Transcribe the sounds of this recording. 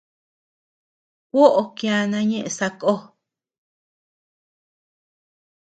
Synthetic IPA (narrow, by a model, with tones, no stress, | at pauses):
kʷo˦ʔo˧kja˧nã˧˦ɲẽ˦ʔẽ˧sa˧ko˦